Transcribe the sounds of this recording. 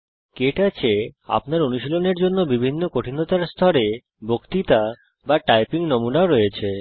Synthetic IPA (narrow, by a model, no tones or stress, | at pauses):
keʈat͡ɕʰea̰pnaɾonuʃiloneɾd͡ʑonːobibʱinːokoʈʰinot̪aɾst̪ʰɔɾe | bokt̪it̪a | baʈajpiŋnomunaoɾɔjet͡ɕʰe